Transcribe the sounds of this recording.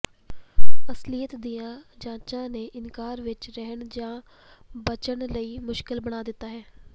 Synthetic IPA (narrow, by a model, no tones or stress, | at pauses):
əsliːət̪d̪ijãːd͡ʒãːt͡ʃãːneːʔɪnkaːɾʋɪt͡ʃɾɛɦəɳd͡ʒãː | bət͡ʃəɳləiːmʊʃkɪlbəɽ̃aːd̪ɪt̪ːaːɦɛː